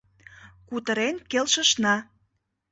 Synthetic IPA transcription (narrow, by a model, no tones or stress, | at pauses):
kut̪ə̆ɾenkelʃə̆ʃnɑ